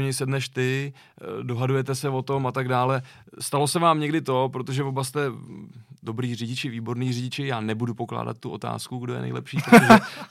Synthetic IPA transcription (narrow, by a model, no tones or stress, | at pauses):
ɲɛsɛdnɛʃt̪ɪ | do̞ɦadujɛt̪ɛsɛvo̞t̪o̞mat̪aɡdaːlɛ | st̪alo̞sɛvaːmɲɛɡdɪt̪o̞pɾo̞t̪o̞ʒɛvo̞bast̪ɛ | do̞bɾiːrɪɟɪt͡ʃɪviːbo̞ɾniːrɪɟɪt͡ʃɪjaːnɛbudupo̞kla̰ːda̰t̪̚tːuʔo̞̰t̪a̰ːskuɡdojɛ̰nɛ̰jlɛ̰pʃiːpɾot̪oʒɛ